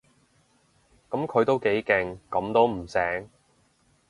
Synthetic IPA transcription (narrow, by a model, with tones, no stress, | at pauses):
kɐ˨˥mkʰɵ˨˧ɥt̪o˥wke˨˥jkɛ˨˧ŋkɐ˨˥mt̪o˥wm̩˨˩sɛː˨˥ŋ